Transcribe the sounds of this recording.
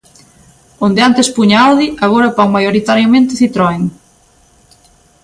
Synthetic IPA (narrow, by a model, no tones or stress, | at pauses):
ond̪eant̪espuɲaawðiaɣoɾapaŋmajoɾit̪aɾjomẽnt̪ɪθit̪ɾɔeŋ